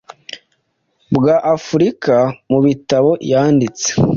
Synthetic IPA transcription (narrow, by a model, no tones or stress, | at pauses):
bɡaʔafuɾikamuβitaβo̞jaːndit͡se̥